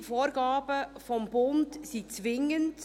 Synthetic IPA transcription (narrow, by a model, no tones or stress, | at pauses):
foːɾɡɑːb̥əfɔmbʊntsit͡sʋɪŋːənt